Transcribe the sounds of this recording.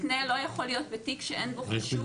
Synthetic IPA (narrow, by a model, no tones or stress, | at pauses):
nelo̞jaχolijo̞t̪̚bet̪ikʃeʔenboʃ